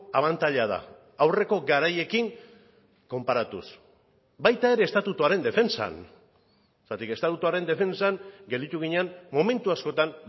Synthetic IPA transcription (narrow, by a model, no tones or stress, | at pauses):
aβant̪aʎaða̰ | awre̞ko̞ɡaɾaje̞kiŋ | ko̞mpaɾat̪ṵs | bajt̪ae̞ɾe̞ːst̪at̪ut̪uaɾe̞nd̪e̞fensa̰n | st̪at̪ike̞st̪at̪ut̪uaɾe̞nd̪e̞fe̞nsaŋɡe̞ld̪it̪uɣ̞iɲeanmo̞me̞nt̪uasko̞t̪an